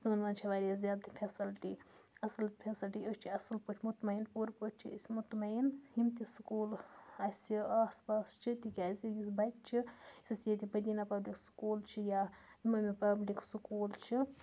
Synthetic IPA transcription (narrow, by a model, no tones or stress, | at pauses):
t̪mɐnmant͡ʃʰiʋaːɾʲiɐszʲaːd̪t̪ʰipʲʰesilʈiɐsɐlpʰʲesilʈiost͡ʃʰiɐsɐlpəʈʰmut̪mɐjnpuɾpoʈt͡ʃʰḭsmut̪mɐjinhimt̪iskuːlasʲiaːspaːst͡ʃʰit̪ikʲasijisbatt͡ʃʰiisisjet̪ʲibɐd̪inapɐbliksu̥kuːlt͡ʃʰija | imɐmipɐbliksukuːlt͡ʃʰi